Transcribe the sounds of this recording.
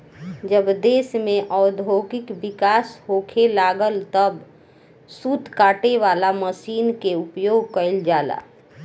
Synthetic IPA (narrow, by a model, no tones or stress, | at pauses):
d͡ʒəbd̪eːsmẽʔɔʊd̪ʱoɡɪkbɪkaːshokʰelaːɡəlt̪əb | sut̪kaːʈeʋaːlaməsiːnkeupjoːɡkəɪld͡ʒaːla̰ː